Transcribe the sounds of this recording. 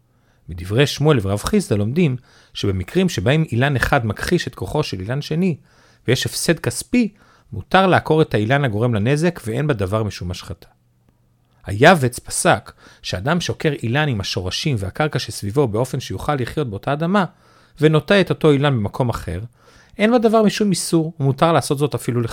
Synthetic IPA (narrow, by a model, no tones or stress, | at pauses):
midivʁe̞jʃmuelveʁavχizd̪alo̞mdim | ʃebe̞mikʁimʃebaimilaneχadmakχiʃe̞tko̞χo̞ʃelilanʃe̞ni | vejeʃe̞fse̞dkaspi | mutaʁlaːko̞ʁe̞thailanhaɡo̞ʁe̞mlane̞ze̞kvee̞nbadavaʁmiʃumaʃχatʰḁ | ha̰javet͡spḁsakʃeadamʃoke̞ʁʔilanimhaʃo̞ʁaʃimveakaʁkaʃesvivo̞beo̞fe̞nʃejuχalːiχjo̞t̚be̞o̞taːdama | veno̞teeto̞to̞ilanbe̞makʰo̞maχe̞̰ʁ | ʔe̞nbadavaʁmiʃumisuʁumutaʁlaːso̞t̪zo̞tafilule